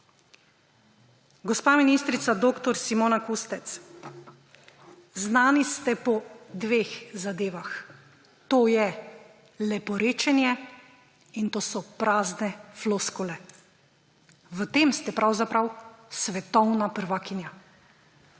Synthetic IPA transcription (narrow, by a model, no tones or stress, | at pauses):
ɡɔspaːminist̪ɾit̪sad̪oːkt̪ɔɾsimoːnakust̪ɛt̪s | znaːnist̪ɛpɔd̪ʋeːxzad̪eːʋax | t̪oːjɛ | lɛpɔɾeːt͡ʃɛnjɛ | int̪oːsɔpɾaːznɛfloskɔlɛ | ʋət̪eːmst̪ɛpɾawzapɾawsʋɛt̪ɔwnapəɾʋakinja